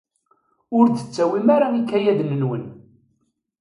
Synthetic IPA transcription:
ʊɾt͡sə̥t͡sːæwimaɾaikːæjæðnənwən

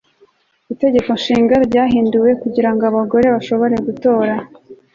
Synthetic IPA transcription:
ite̞ɟe̞ko̞nʃiːŋɡaɾɟaːɦiːnduwe̞kuɟiɾaŋɡoaβaɡo̞ɾe̞βaʃo̞βo̞ɾe̞ɡuto̞ːɾa

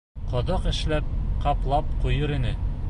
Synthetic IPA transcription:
qɒ̆d̪ɤqɘ̆ʃlæp̚qɑplˠɑp̚qujɤɾinɘ

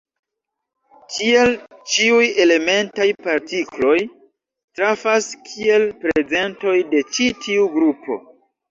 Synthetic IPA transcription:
kie̞lt͡ʃiuje̞le̞me̞ntajpaɾtiklo̞j | tɾafaskʰie̞lpɾe̞ze̞nto̞jde̞t͡ʃitʰiuɡɾupʰo̞̰

